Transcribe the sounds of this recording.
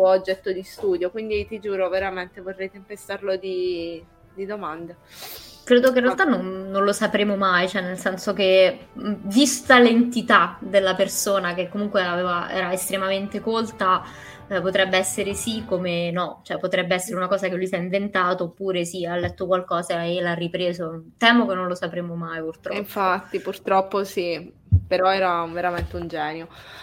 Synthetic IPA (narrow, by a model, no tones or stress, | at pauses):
t̪uɔod͡ʒːɛt̪ːod̪ist̪uːd̪jokwind̪it̪id͡ʒuːɾoveɾament̪evorːɛjt̪empest̪arlod̪i | d̪id̪omand̪a | kɾeːd̪okeinreallt̪anːonːonlosapɾeːmomajt͡ʃoɛnːelsɛnsok̟e | vist̪alent̪it̪ad̪elːapersoːnakekːomuŋkweaveːvaʔɛ̰ːɾaest̪ɾemament̪ekolt̪a | pot̪ɾɛbːeɛsːeɾesikːomenɔt͡ʃoɛpːot̪ɾɛbːeɛsːeɾeunakɔːzakelujsaiɱvent̪aːt̪oːpːuːɾesialːɛt̪ːokwalkɔːzaelarːipɾeːzot̪ɛːmokenːonlosapɾeːmomajpurt̪ɾɔiɱfat̪ːipurt̪ɾɔpːosi | peɾɔɛːɾaveɾament̪eund͡ʒɛːnjo